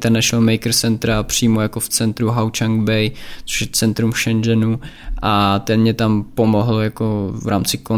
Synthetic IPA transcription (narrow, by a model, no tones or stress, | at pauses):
t̪ɛɾnɛʃlmɛjkɾsɛnt̪ɾapr̝̥iːmojakoft͡sɛnt̪ɾuɦawt͡ʃaŋɡbɛjt͡so̥ʃjɛt͡sɛnt̪ɾumfʃɛnd͡ʒɛnuʔat̪ɛmɲɛt̪ampomoɦljakovɾa̰ːmt͡sɪko